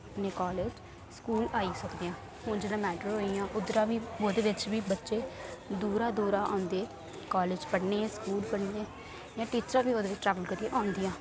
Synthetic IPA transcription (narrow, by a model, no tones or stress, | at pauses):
pnẽːkɔːleːd͡ʒ | skuːlaːiːsəkd̪eːãː | hʊ̃nd͡ʒed̪ãːmɛːʈəɾɦoːijãːʔʊd̪ɾãːʋiːoːd̪eːʋɪt͡ʃʋiːbətːʃeːd̪uːɾaːd̪uːɾãːʔã̰ːnd̪eː | kaːleːd͡ʒpəɽneːskuːlpəɽneː | jãːʈiːt͡ʃɾãːʋiːoːd̪eːʋɪt͡ʃʈɾɛːʋəlkəɾiːeʔãːnd̪ɪjãː